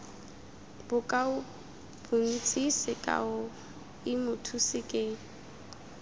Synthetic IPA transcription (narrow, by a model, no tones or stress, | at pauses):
b̥ʊkʼaʊ | b̥ʊn̩t͡sʼisɪkʼa̰ʊ | ɪmʊtʰusɪkʼeː